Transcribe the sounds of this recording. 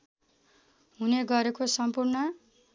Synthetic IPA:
ɦuneɡʌɾekosʌmpurnʌ

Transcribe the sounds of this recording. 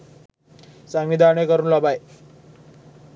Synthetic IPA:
saŋʋid̪ʱanekəɾuːnlɔbaj

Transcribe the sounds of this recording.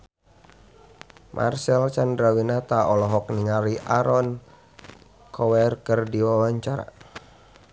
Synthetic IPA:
mʔa̰rsɛlt͡ʃandɾawinat̪aɔlɔɦɔk̚niŋaɾiʔaɾɔn | kʰɔwɛrkərdiwawaɲt͡ʃaɾa̰

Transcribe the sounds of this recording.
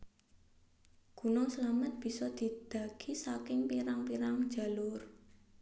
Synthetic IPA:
ɡ̥unɔsəlamət̪̚b̥i̤sɔd̪̥i̤d̪̥a̤ɡ̥isakɪŋpiɾaŋpiɾaŋ̥d͡ʒ̥a̤lʊr

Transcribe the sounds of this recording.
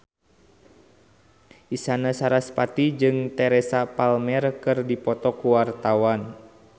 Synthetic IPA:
ʔisanasaɾaspat̪id͡ʒɨŋt̪ɛɾɛsapalmɛrkɨrdipɔt̪ɔkuwart̪awan

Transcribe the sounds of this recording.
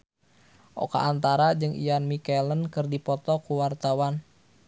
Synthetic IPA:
ʔɔ̰ka̰ʔːnt̪aɾad͡ʒɨŋʔḭjanmikɛlənkɨrdipɔt̪ɔkuwart̪awan

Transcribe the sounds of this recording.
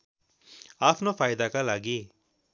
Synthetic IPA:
aːpʰnofʰaːjd̪akalaːɡiː

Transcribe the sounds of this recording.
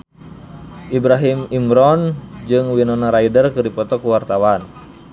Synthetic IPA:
ʔibɾaɦimimɾɔnd͡ʒɨŋwinɔnaɾaidərkɨdipɔt̪ɔkuwart̪awan

